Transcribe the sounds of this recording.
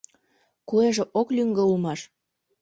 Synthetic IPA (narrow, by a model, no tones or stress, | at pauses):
kueʒĕʔoklyŋɡĕulmɑʃ